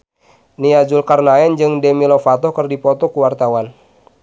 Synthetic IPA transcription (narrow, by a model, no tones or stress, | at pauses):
niad͡ʒulkarnaɛnd͡ʒɨŋdɛmilɔfat̪ɔkərdipɔt̪ɔkuwart̪awan